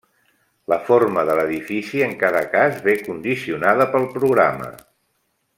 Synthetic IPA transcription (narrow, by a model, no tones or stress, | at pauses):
ləforməðələðifisiəŋkaðəkazβekund̪isiunaðəpəlˠpɾuɣɾa̰mə̰